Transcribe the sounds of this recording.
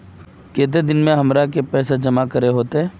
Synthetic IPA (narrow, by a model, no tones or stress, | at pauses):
keːt̪̬ed̪ɪnmẽɦɐmɾakepɛːsad͡ʒɐmakɐɾeɦoːt̪eɦɛː